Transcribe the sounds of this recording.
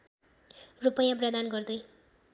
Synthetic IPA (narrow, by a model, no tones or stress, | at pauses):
rupʌjãprʌd̪anɡʌrd̪ʌj